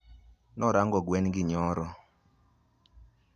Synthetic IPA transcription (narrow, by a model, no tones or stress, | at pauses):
nɔɾaŋɡɔɡwɛnɡɪɲɔɾɔ